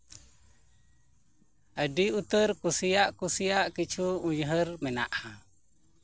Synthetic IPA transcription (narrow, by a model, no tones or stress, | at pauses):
ədiut̪əɾkusijaʔkusijaʔkit͡ʃʰuuɲɦəɾmɛna̰ʔhã